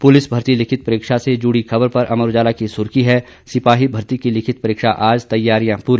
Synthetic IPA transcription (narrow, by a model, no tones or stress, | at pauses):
pʊlɪsbʱɐɾt̪ilɪkʰɪt̪̚pɐɾɪːkʃased͡ʒuːɽixɐbəɾpɐɾʔɐməɾod͡ʒaːlakisʊɾkiɦɛ | sɪpaːɦibʱɐɾt̪ikilɪkʰɪt̪̚pɐɾɪːkʃaʔaːd͡ʒt̪ɐjːaːɾijãpuːɾi